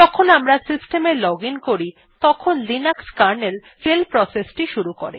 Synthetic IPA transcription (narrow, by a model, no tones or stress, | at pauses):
ɔkʰonamɾasisʈemeɾlɔɡiŋkoɾi | t̪ɔkʰonlinakskaɾnel | felpɾɔsesʈiʃuɾuko̰ɾḛ